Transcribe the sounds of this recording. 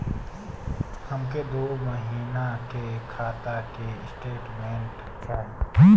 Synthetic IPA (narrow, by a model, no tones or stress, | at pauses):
həmked̪oːməɦiːnakekʰaːt̪akeɪsʈeːʈmẽɳʈ | kʰa